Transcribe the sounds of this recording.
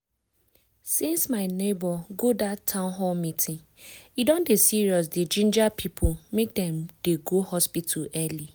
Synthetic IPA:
sĩnsmaɪnebɔɡodatʰːãʊ̃nɦɔlmitʰɪ̃ŋ | idõndesiɹiɔs̬ded͡ʒĩnd͡ʒapʰipʰʊmek̚dɛ̃md̥eɡohɔspitʰaɛli

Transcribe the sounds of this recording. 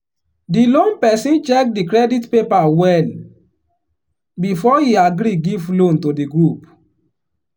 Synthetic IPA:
dilõnpɛsĩnt͡ʃɛk̚dikɾɛditpepawɛl | bifɔhiaɡɾiɡivlõntodiɡɹup

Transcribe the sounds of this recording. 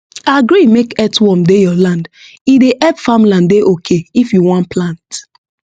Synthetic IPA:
aɡɹimekɛtwɔmdejɔlãnd | ideʔɛpfamlãndeʔokʰeifjuwɔ̃nplãnt

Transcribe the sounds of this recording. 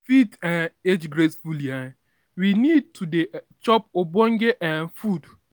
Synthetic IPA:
fitãned͡ʒɡɾesfulia | winid̚tʰude | t͡ʃɔpobɔŋ̩ɡeʔanfud

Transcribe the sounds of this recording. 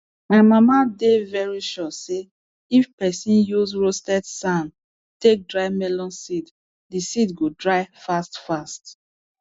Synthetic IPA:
maɪmamadevɛɹiʃɔse | ifpɛsĩnjuzɹostɛdsãn | tek̚dɹaɪmɛlɔ̃nsid | disitɡodɹaɪfastfast

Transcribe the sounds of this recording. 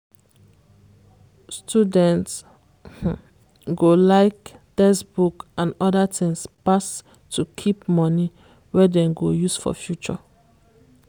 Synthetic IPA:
stʰudɛ̃nts | ɡolaɪkd̥ɛsbukãnɔdatʰĩŋspas | tʰukʰipmɔni | wɛdɛ̃mɡojusfɔ̰fjut͡ʃɔ̰

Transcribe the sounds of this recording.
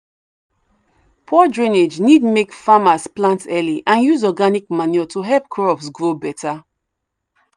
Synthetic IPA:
pʰɔdɹĩned͡ʒnidmekfamasplãntɛliʔãnjuzɔɡanikmaniɔtuɦɛlp̚kʰɹɔpsɡɹobɛtʰa

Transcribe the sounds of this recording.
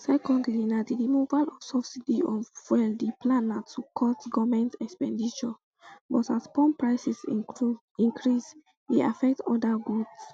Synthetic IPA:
sɛkɔ̃ndlinadidimuvalɔfsɔfsidiɔfwɛldiplanatʰːukʰɔtɡɔvmɛ̃ntɛkspɛ̃ndit͡ʃɔ | bɔtaspɔ̃npɹaɪsis | ĩŋkʰɹis | dea̰fɛk̚tɔdaɡuds

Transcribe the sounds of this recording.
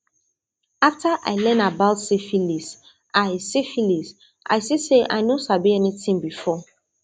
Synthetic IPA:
aftʰaʔa̰ɪlɛ̃nabaʊtsifilis | aɪsifilis | ʔa̰ɪsiseʔa̰ɪnosabiɛnitĩŋbifɔ

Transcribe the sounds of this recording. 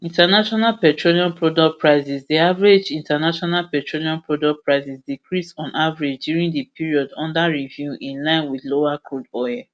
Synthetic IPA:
ĩntanaʃɔnalpɛtɹoliɔ̃npɹɔdɔk̚pɹaɪzisdiavaɹed͡ʒĩntanaʃɔnalpɛtɹoliɔ̃npʰɹɔdɔk̚pɹaɪsisdikɹisɔ̃nʔavaɹed͡ʒdjuɹĩŋdəpʰiɹiɔdɔ̰̃ndaɹivjuʔĩnlãɪ̃nwidlowakʰodɔjɛ

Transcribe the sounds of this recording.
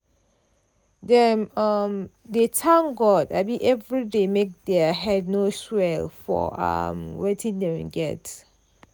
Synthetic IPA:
dɛ̃mam | detʰãŋɡɔtabĩʔɛvɹidemek̚dɛɦɛd̚noswɛlfɔ̰a̰mwetʰĩndɛ̃mɛ̰̃nɡɛ̰t

